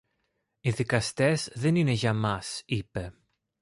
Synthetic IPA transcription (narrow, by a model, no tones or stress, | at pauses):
iðikɐst̪e̞zðe̞nine̞ʝɐmɐsipe̞